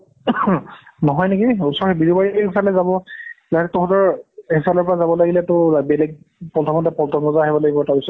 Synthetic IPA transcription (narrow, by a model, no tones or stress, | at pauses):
nɔɦɔjnekiusɔɹxbidubaɹiɦisalɛzabɔzaɛtɔɦɔtɔɹisalɔɹpɔɹazabɔlaɡilɛtʊabɛlɛɡ̚ | pɔltʰɔmɔtɛpɔltʰɔmɔzaɦɛbɔlaɡibɔɛtabisɔ